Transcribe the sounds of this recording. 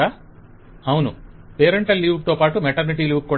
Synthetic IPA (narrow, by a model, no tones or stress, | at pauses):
a | ɐwnupeːɾɐɳʈɐlːiwɖ̚t̪oːpaːʈumɛʈɐɾniʈiːluːkːuː